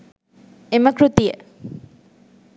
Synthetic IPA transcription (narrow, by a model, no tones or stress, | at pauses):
emɐkɾut̪ijə̰